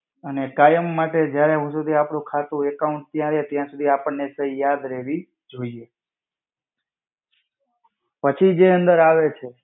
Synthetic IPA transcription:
ənekajəmːaʈed͡ʒjaɾeɦũsud̪ʱiapɳũkʰat̪ũekauɳʈ̚t̪jãɾet̪jãsud̪ʱiapəɳːesəijad̪ɾeʋi | d͡ʒoie | pət͡ʃʰid͡ʒeənd̪əɾaʋet͡ʃʰe

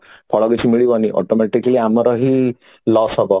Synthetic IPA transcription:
pʰɔɭɔɡit͡ʃʰimiɭibɔniʔɔ̰ʈɔmeʈikaliamɔɾɔɦi | lɔsɔbɔ

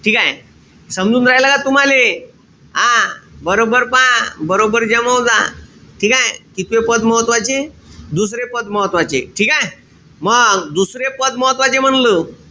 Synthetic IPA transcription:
ʈʰiːkaj | səmd͡zuːnɾajlaɡat̪um̤ale | abəɾobəɾpãbəɾobəɾd͡ʑəməwd͡za̰ʈʰikajekit̪ʋepəd̪məɦət̪ʋat͡ɕed̪us̬ɾepəd̪məɦət̪ʋat͡ɕḛʈʰikaje | məɡɡd̪usɾepəd̪məɦət̪ʋat͡ɕem̤əɳləː

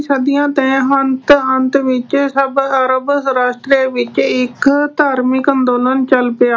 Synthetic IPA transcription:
səd̪ijãːt̪ẽːɦənt̪ənt̪ʋɪt͡ʃsəbəɾəbɾaːʃʈɾeʋɪt͡ʃɪkt̪aːɾmɪkə̃nd̪oːlənt͡ʃəlpɪaː

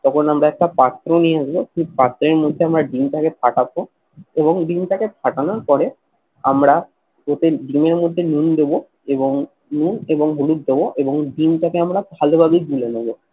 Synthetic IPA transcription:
t̪ɔkʰonamɾaɛk̚ʈapat̪ːɾoniead͡ʑabokʰik̚pat̪ːɾeɾmod̪ʱːeamɾaɖimʈakepʰaʈabo | eβoŋɖimʈakepʰaʈanoɾpɔɾe | amɾa | ɡot̪eɖimeɾmod̪ʱːenund̪ebo | eboŋ | nuneboŋɦoluk̚d̪eboʔeboŋɖimʈakeamɾabʱalobʱabiɡulenobo

